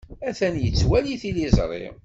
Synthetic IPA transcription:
æθænjət͡sːwæliθilizˤɾˤḛ

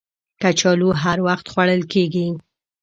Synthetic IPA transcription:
kat͡ʃɑluɦaɾwaxt̪xwaɽəlkeɡi

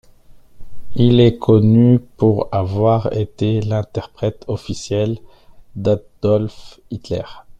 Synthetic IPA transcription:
ilɛkʰɔnypuʁavwaʁet̪elɛ̃t̪ɛʁpχɛt̪ʰɔfisjɛl | d̪ad̪̥ɔlfit̪lɛ̰ʁ

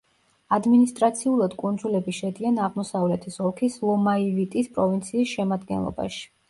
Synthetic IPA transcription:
ad̪minist̪ʼɾat̪sʰiulˠad̪kʼund̪zulɛbiʃɛd̪ianaʁmɔsavlɛt̪ʰisɔlˠkʰislˠɔmaivit̪ʼispʼɾɔvint̪sʰiːsʃɛmad̪ɡɛ̰nlˠɔ̰ba̰ʃi̥

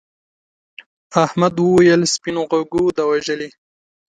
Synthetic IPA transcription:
ahmad̪wəwajəlspinoɣaɡud̪awaʒəli

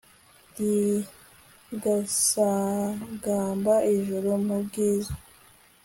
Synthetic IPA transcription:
di | ɡasaɡaːmbaiʒuɾumubɡiːzḁ

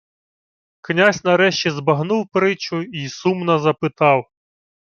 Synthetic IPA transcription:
knʲasʲnɐɾɛʃt͡ʃizbɐɦnuwpɾɪt͡ʃʊisumnɐzɐpɪt̪ɑw

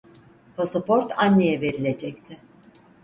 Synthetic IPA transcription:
pʰosopʰoɾt̪ʰanːejɛve̞ɾilʲe̞d͡ʒɛct̪ʰɪ

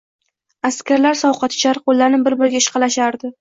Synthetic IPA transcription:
askʲaɾlaɾsɒwqʰɑt̪t͡ʃʰaɾqolːaɾnɪbɪɾbɪɾɡʲaɪʃqʰɑlaʃaɾd̪ɪ

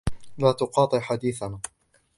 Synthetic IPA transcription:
laːt̪ʊqɑːt̪ˤɨħad̪iːθanaː

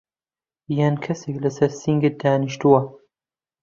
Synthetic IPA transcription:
jankʰɐseklɐsɐɾsiŋɡɨt̪̚d̪aːniʃt̪uwɐ

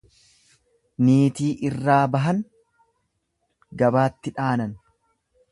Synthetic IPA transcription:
niːt̪iːʔɪrːaːbɐɦɐn | ɡɐbaːt̪ːɪᶑaːnɐn

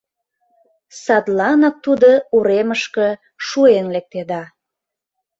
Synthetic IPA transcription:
sɑd̪lɑnɑk̚t̪ud̪ouɾeməʃkə | ʃuenlek̚t̪ed̪ɑ

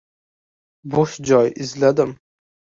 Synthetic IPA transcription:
boʃd͡ʒɒjɪzlad̪ɪm

